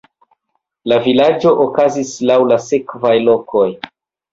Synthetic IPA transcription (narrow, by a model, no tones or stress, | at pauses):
lavilad͡ʒo̞ʔokazislawlase̞kvajlo̞kʰo̞j